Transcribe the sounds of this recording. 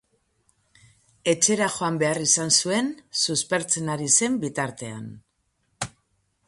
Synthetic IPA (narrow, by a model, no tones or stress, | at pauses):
e̞t͡ʃe̞ɾaxo̞ambe̞arisansue̞nsuspe̞ɾt͡se̞naɾise̞mbit̪aɾt̪e̞a̰n